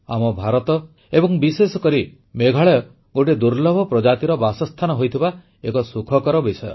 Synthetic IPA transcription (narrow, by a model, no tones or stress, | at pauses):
a̰mɔbʱaɾɔt̪ɔ | ebɔŋbisesɔkɔɾi | meɡʱaɭɔjɔ | ɡoʈ̬id̪uɾlɔbʱɔpɾɔd͡ʒat̪iɾɔbasɔst̪ʰanɔɦojt̪ʰiba | ekɔsukʰɔkɔɾɔbisɔjɔ̰